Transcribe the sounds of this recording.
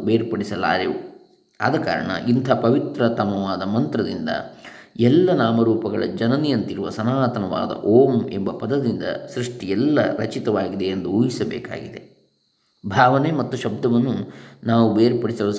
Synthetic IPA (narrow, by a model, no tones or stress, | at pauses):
beːɾpɐɽisɐla̰ːɾiʋu | a̰d̪ɐka̰ːɾɐ̰ɳɐ̰ʔint̪ʰaːpɐʋit̪ɾɐt̪ɐmɐʋaːd̪ɐmɐnt̪ɾɐd̪ind̪ɐ̰ɛlːɐnaːmɐɾuːpɐɡɐɭɐ̰d͡ʒɐnɐnijɐnt̪iɾuʋɐ̰sɐnaːt̪ɐnɐʋa̰ːd̪ɐ̰ʔoːmḛmbɐpɐd̪ɐd̪ind̪ɐ̰sɾiʂʈijɛlːɐ̰ɾɐt͡ʃit̪ɐʋaːɡid̪e̞end̪uuːjisɐbɛ̰ːka̰ːɡid̪e̞ | bʱaːʋɐnemɐt̪ːuʃɐb̚d̪ɐʋɐnːunaːʋubeːɾpɐɽisɐʋɐ